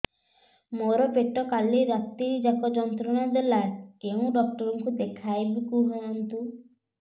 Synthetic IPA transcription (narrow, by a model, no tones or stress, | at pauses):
moɾɔpeʈɔkaliɾat̪iɾid͡ʒakɔd͡ʒɔnt̪ɾɔnad̪elakeũɖɔkʈɔɾɔŋkud̪ekʰajbikuɦɔɔnt̪u